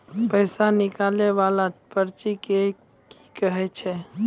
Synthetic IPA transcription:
pɛɪsanɪkaːleʋaːlapəɾt͡ʃike | ki̥kəɦet͡ʃʰɛ

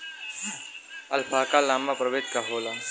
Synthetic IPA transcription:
ɐlfʰaːkalaːmapɾəʋeːt̪kaɦoːla

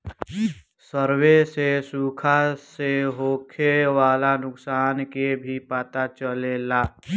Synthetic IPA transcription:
səɾwesesuːkʰaseɦoːkʰeʋaːlanʊksaːnkebʱipat̪at͡ʃəlelaː

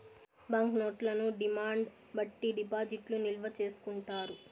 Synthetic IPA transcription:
bɐŋknoːʈlɐnuɖimaːɳɖ | bɐʈːiɖipaːd͡ʒiʈlunilʋɐt͡ʃe̞ːsu̥kuɳʈaːɾu

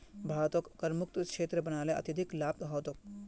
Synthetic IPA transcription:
bʱaːʋt̪okːɐɾmuk̚t̪kʃeːt̪ɾəbɐnaːleʔɐ̰t̪id̪ʱiklaːp̚t̪ɦɔʋt̪ok̚

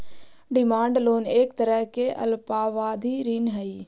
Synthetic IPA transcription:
ɖɪmaːɳɖloːneːkt̪əɾəɦkeʔɐ̰lpaːʋaːd̪ʱiːɾiːnɦɐi

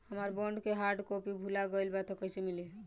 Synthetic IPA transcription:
həməɾbɔɳɖkeɦaɾʈkopibʱulaɡəlbat̪ɔkəjsemili

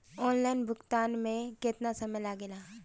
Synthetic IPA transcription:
ɔːnlaːɪnbʱʊkt̪aːnmẽket̪nasɐməjlaɡelaː

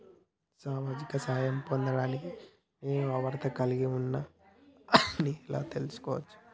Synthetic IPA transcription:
saːmaːd͡ʒikɐsɐɦɐjɐmpond̪ɐɽaːniki | ne̞ːnuɐʋɐɾt̪ɐkɐliɡiunːa | niɛla̰ːt̪e̞lusu̥kɔːʋɐt͡ʃːu̥

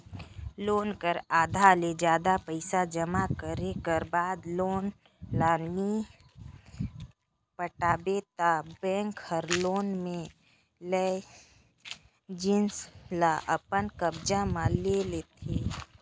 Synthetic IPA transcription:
loːnkəɾaːd̪ʱaled͡ʒjaːd̪apəɪsad͡ʒəmakəɾekəɾbaːd̪loːn | laːnni | pəʈaːbet̪abɛ̃ːŋkhəɾloːnmẽ | lɛ | d͡ʒɪnslaʔəpənkəbd͡ʒamãleleːt̪ʰeː

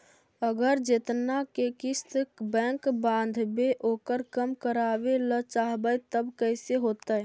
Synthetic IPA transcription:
əɡəɾd͡ʒɪt̪nakekɪst̪kbɛ̃ːŋkbãːn̆d̪ʱbeʔoːkəɾkəmkəɾaːʋelət͡ʃaɦbəjt̪əbkəɪseɦoːt̪ə

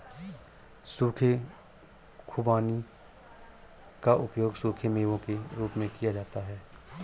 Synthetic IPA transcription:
suːkʰe | kʰʊbaːni | kaʔʊpjoːɡsuːkʰemẽʋõkeɾuːpmẽkijad͡ʒaːt̪aɦɛː

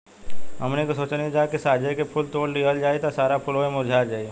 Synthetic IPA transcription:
ɦɐmnekosoːt͡ʃned͡ʒaːkesaːd͡ʒʱekepʰʊlt̪oːɽɖiɦəld͡ʒaːit̪asaːɾapʰʊloemʊɾd͡ʒʱaːd͡ʒaːi

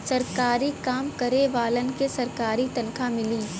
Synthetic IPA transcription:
sɐɾkaːɾikaːmkɐɾeʋaːlənkesɐɾkaːɾit̪ɐnkʰamɪliː

